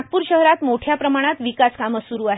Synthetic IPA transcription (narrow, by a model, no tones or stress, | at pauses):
t̪̚puːɾɕəɦɾat̪moʈʰjapɾəmaɽ̃at̪ʋikaskaməsuɾuːaɦe